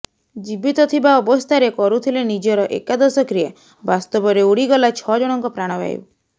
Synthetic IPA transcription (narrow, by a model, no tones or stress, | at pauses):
d͡ʒibit̪ɔt̪ʰibaɔbɔst̪ʰaɾekɔɾut̪ʰilenid͡ʒɔɾɔʔekad̪ɔsɔkɾie | bast̪ɔbɔɾeuɽiɡɔlat͡ʃʰɔd͡ʒɔɽ̃ɔŋkɔpɾaɽ̃ɔba̰j̰